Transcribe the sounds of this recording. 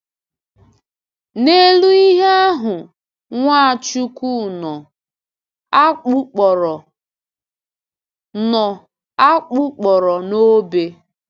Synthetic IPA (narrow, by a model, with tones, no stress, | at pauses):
ne˦lu˦i˦ɦe˦a˦ɦʊ˨ | ŋʷa˦a˨t͡ʃu˦ku˦nɔ˨˦ | k͡pu˦k͡pɔ˨ɾɔ˨ | nɔ˨ | a˦k͡pʊ˦k͡pɔ˨ɾɔ˨no˦be˦